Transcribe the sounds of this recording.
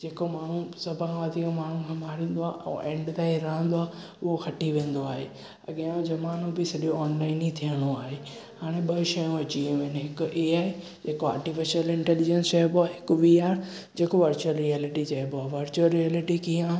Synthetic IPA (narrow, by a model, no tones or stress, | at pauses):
d͡ʑeːkomaːɳ̤ũsɐbʱãʋaːt̪iõmaːɳ̤ũkʰaːmaːɾĩːn̆d̪oaːʔɛ̰̃ʔẽːɳɖt̪aːiɾɐɦə̃nd̪oaː | ʊɦoxɐʈiʋẽːnd̪oaːɦe | ɐ̰ɠjõd͡ʑɐmaːnõbɪsɐɗijoɔːnlaːɪnit̪ʰijəɽ̃oaːɦeː | haːɽ̃ẽɓɐʃɐjõʋɐt͡ɕiũʋenɦɪkʊʔeːaːɦe | d͡ʑeːkoa̰ːɾʈifɪʃəlɪ̃ɳʈɛːlid͡ʑənsʃɐɦboaːɦɪkʊʋiaːɾ | d͡ʑeːkoʋɐɾt͡ɕuəlɾiaːlɪʈid͡ʑɐɦɪboaːʋɐɾt͡ɕuəlɾiaːlɪʈikijã